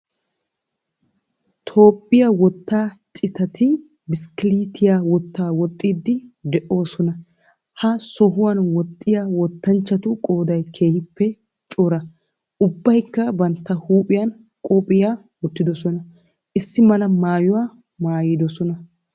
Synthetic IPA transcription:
t̪ʰo̞ːpʼːɪjɐwɔt̪ːaːt͡ʃʼɪt̪ɐt̪ɪ | bɪskɪliːt̪ʰɪjawɔt̪ːaːwɔt̪ʼːiːd̪ːɪd̪ɛʔo̞ːsɔnɐ | hɐsɔɦʊwɐnwɔt̪ʼːɪjawɔt̪ːɐnt͡ʃːɐt̪ʊkʼo̞ːd̪ɐjkʰe̞ːhɪpːɛ | t͡ʃʼɔɾɐ | ʊbːɐjkːɐbɐnt̪ːɐhuːpʼɪjɐn | kʼɔpʼɪjaː | wɔt̪ːɪd̪ɔsɔnɐ | ʔɪsːɪmɐlɐmaːjʊwaː | maːjɪd̪ɔsɔnɐ

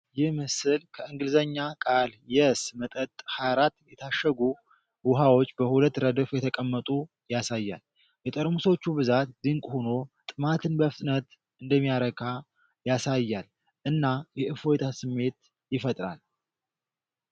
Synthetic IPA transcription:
jɪhmɨsɨlkʰəɨŋɡɨlzəɲːakʼaljɛsmət̪ʼət̪ʼhaɾat̪jɛt̪ʰaʃːəɡu | wʊɦawo̞t͡ʃːbəhulət̪ːɾəd̪əfjɛt̪ʰəkʼəmːət̪ʼu | jasajːa̰l | jɛt̪ʼəɾmuso̞t͡ʃːubɨzat̪d̪ɨŋkʼhono̞t̪ʼɨmat̪ʰɨnbəfɨt̪ʼnət̪ | ʔɨnd̪əmːijaɾəkʰa | jasajːal | ʔɨnːajɛʔɨfojt̪ʰasɨmːe̞t̪ | jɪfət̪ʼɾa̰l

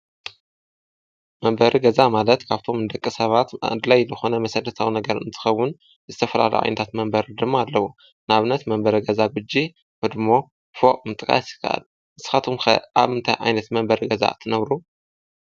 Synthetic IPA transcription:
mɐmbɐɾiɡɐzamalɐt̪kʰaβt̪ʰo̞mnɨd̪ɐkʼːisɐβat̪d̪lajzɨxo̞nɐmɐsɐlːɐt̪ʰawnɐɡɐɾɨnt̪ʰɨ̥xɐwːʊn | zɨt̪ʰɐfɐla̰lṵʔa̰jnɐt̪ʰat̪mɐmbɐɾd̪ɨmːaːlːɐwu | naβɨnːɐt̪mɐmbɐɾiɡɐzaɡud͡ʒːi | hɨd̪mo̞ | foʔʼmɨt̪ʼɨkʼa̰sɨ̥kʰa̰ʔa̰l | ʔɨsɨ̥xat̪ʰomxɐ̰ʔaβɨnt̪ʰajʔa̰jnɐt̪mɐmbɐɾiɡɐza̰t̪ʰɨnɐβɾu

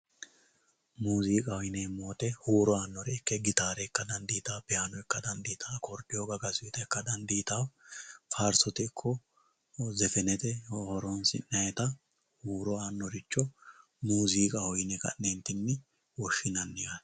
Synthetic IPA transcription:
muːziːkʼɐhɔjɪneːmoːt̪ɛhuːɾɔaːnːɔɾɛɪkːɛɡɪt̪aːɾɛkːɐd̪ɐnd̪iːt̪aːpɛjaːnɔɛkːɐd̪ɐnd̪iːt̪ʰakɔɾpʼɪjoːɡɐɡɐzʊt̪ɐɛkːɐd̪ɐnd̪iːt̪awfaːɾsɔt̪ɛːkʰːɔ | zɛfɛnɛt̪ɛhɔhɔɾɔnsɪ̰nːɐjɛt̪ɐ | huːɾɔaːnːɔɾɪt͡ʃːɔ | muːziːkʼɐhɔjnɛkɐ̰nnɛnt̪ːɪnːɪ | wɔʃːɪnɐnːɪɡa

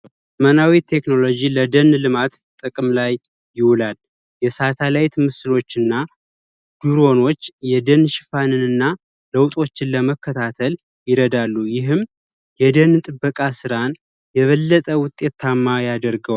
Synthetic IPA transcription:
mənawit̪ʰe̞kno̞lo̞d͡ʒiləd̪ənlɨmat̪t̪ʼɨkʼɨmlajː | ɪwlal | jɛsat̪ʰalajt̪ʰmɨsɨlo̞t͡ʃːɨnːa | d̪̥uɾo̞no̞t͡ʃːjɛd̪ənʃɪfanɨnɨnːa | ləwt̪ʼo̞t͡ʃːɪnləməkʰːət̪ʰat̪ʰəl | jɪɾəd̪alːujɪɦɨm | jɛd̪ənt̪ʼɨbːəkʼasɨɾan | jɛβəlːət̪ʼəwʊt̪ʼe̞t̪ʰːamːajad̪əɾɡəw

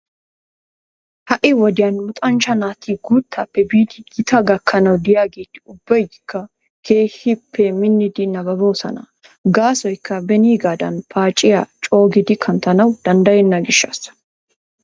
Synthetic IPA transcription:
hɐʔɪwɔd̪ɪjɐnmʊt̪ʼɐnt͡ʃɐnaːt̪iːɡuːt̪ːaːpːɛbiːd̪ɪɡɪt̪ɐɡɐkʰːɐnɐwd̪ɪjaːɡeːt̪ːɪ̥ʊbːɐjɪkːɐ | kʰe̞ːhɪpʰːɛmɪnːɪd̪ɪnɐbɐboːsɐ̰nɐ̰ | ɡaːsɔjkːɐbɛniːɡaːd̪ɐ̰npʰaːt͡ʃʼɪjat͡ʃʼo̞ːɡɪd̪ɪkʰɐnt̪ɐnɐwd̪ɐnd̪ɐjɛnːɐɡɪʃːɐ̰s

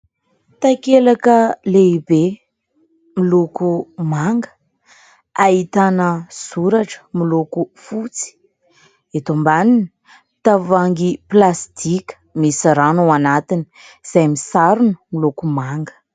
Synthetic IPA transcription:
t̪akelakəleibe | milukumaŋɡə̥ | ait̪anəz̥uɾaʈ͡ʂə̥milukufut͡si̥ | et̪ombanin | t̪avaŋɡiplast̪ikʲə̥misiɾanuanat̪ini̥ | z̥ajmisaɾunəmilukumaŋɡə̥

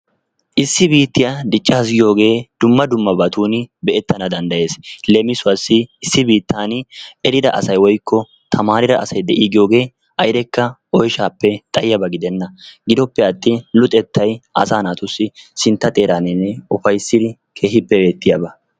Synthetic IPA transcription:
ʔɪsːɪbiːt̪ːɪjad̪ɪt͡ʃʼːɐɐs̬ɡɪjo̞ːɡe̞ːd̪̥ʊmːɐd̪ʊmːɐbɐt̪uːnɪbɛʔɛt̪ːɐnɐd̪ɐnd̪ɐje̞ːslɛmɪsʊwɐsːɪɪsːɪbiːt̪ːaːnɛɾɪd̪ɐ̰ʔɐ̰sɐjwɔjkʰːɔ | t̪ʰɐmaːɾɪd̪ɐʔɐsɐjd̪ɛʔiːɡɪjo̞ːɡe̞ː | ʔɐjd̪ɛkːɐɔjʃaːpːɛt̪ʼɐjjɐbɐɡɪd̪ɛnːɐɡɪd̪ɔpːɛɐt̪ːɪlʊt̪ʼɛt̪ːɐjʔɐ̰saːnaːt̪ʊsːɪsɪnt̪ːɐt̪ʼe̞ːɾanɪnːɛɔfɐjsːɪd̪ɪ | kʰe̞ːɦɪpːɛbe̞ːt̪ːɪjɐːbɐ

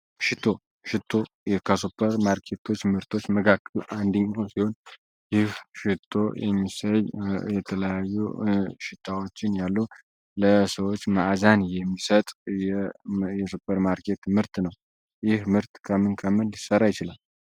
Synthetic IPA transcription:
ʃɪt̪ʰːo̞ | ʃɪt̪ʰːo̞ | jɛkʰasopʰːəɾmaɾkʰe̞t̪ʰo̞t͡ʃːmɨɾt̪ʰo̞t͡ʃːməɡʰakːəlʔand̪iɲːosiho̞n | jɪhʃɪt̪ʰːo̞jɛ̰mːisəjjɛt̪ʰələjajːuʃɪt̪ʰːawo̞t͡ʃːɪnjalːu | ləsəwo̞t͡ʃːmaʔzanjɛmːisət̪ʼjɛjɛsopʰːəɾmaɾkʰe̞t̪mɨɾt̪nəw | jɪhmɨɾt̪kʰəmɨnkʰəmɨnlisːərːajɪt͡ʃɪlal

